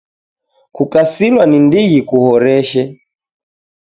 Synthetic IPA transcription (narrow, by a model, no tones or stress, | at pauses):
kukasilwanindiɣikuhɔɾɛʃɛ